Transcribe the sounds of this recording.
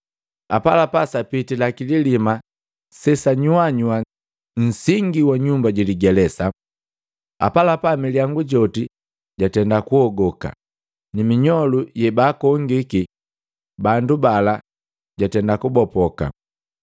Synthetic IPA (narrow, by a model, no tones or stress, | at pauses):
apalapasapitilakililima | sɛsaɲuaɲua | ɲ̩siŋɡiwaɲumbaɟiliɡɛlɛsa | a̰palapamiljaŋɡuɟɔti | ɟatɛndakuɔɡɔka̰ | nimiɲɔlujɛbaːkɔŋɡiki | bandubala | ɟatɛndakubɔpɔka̰